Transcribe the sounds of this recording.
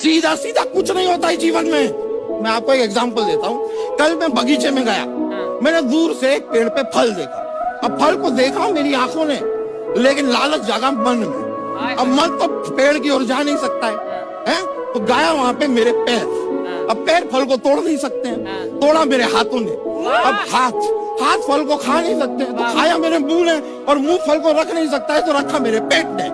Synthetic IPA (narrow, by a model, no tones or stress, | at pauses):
siːd̪ʱasiːd̪ʱakʊt͡ʃʰnɐɦĩɦoːt̪aɦɛd͡ʒiːʋənmẽmɛ̃aːp̚koeːkɛɡzaːmpəld̪eːt̪aɦũːkɐlmɛ̃bʱɐɡiːt͡ʃemẽɡaja̰mɛ̃ːned̪uːɾsek̚peːɽpepʰɐld̪eːkʰa | ɐb̚pʰɐlkod̪eːkʰameːɾiãːkʰõne | leːkɪnlaːlək̚d͡ʒaːɡamɐnmɛ̰̃ | ɐbmɐnt̪opeːɽk̬iɔːɾd͡ʒaːnɐɦĩsɐk̚t̪aɦɛː | ɦɛ̃ː | t̪oɡaːjaʋɐɦãpemeːɾepɛːɾ | ɐb̚pɛːɾpʰɐlkot̪oːɽnɐɦĩsɐk̚t̪eɦɛ̃ | t̪oːɽameːɾeɦaːt̪ʰõnḛɐbhaːt̪ʰhaːt̪pʰɐlkokʰanɐɦĩsɐk̚t̪eɦɛ̃t̪okʰaːjameːɾemũːlɛ̃ː | ɔːɾmũːpʰɐlkoɾɐkʰnɐɦĩs̬ɐk̚t̪aɦɛt̪oɾɐkʰːameːɾepeːʈ̚neː